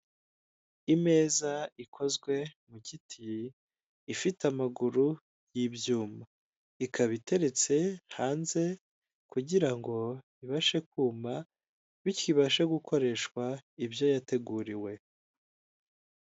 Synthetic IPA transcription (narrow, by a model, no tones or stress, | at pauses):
ime̞ːzaikʰo̞zɡwe̞mucitʰiː | fitamaɡuɾu | jibjuːma | ikʰaβite̞ɾe̞t͡se̞haːnze̞ | kuɟiɾaŋɡo̞ | iβaʃe̞kuːma | βiciβaʃeɡukʰo̞ɾe̞ʃkwaibjo̞jate̞ɡuɾiwe̞